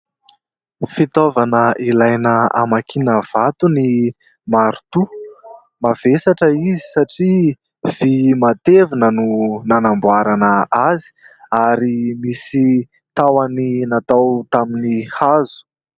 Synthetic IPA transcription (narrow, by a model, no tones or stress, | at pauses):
fit̪ovanəʔilajnəa̰makʰinəv̥at̪uni | maɾut̪u | mavesaʈ͡ʂəizi̥saʈ͡ʂi | v̥imat̪evinənunanambwaɾanəazi̥aɾimisi | t̪awaninat̪awt̪aminihazu̥